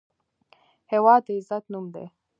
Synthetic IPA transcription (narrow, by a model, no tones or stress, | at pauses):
hewɑd̪eɪzat̪numd̪ḛ